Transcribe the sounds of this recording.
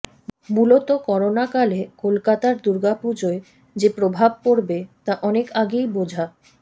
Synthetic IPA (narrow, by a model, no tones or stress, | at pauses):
mulot̪okɔɾonakalekolkat̪aɾd̪uɾɡapud͡ʑoe | d͡ʑepɾobʱab̚poɾbet̪aʔɔnekaɡejbod͡ʑʱa